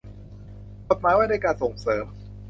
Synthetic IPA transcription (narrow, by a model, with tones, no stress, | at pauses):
ko˨˩t̪̚maː˦˥jwaː˥˩na˥˩jkaː˧nso˨˩ŋsɤː˩˦m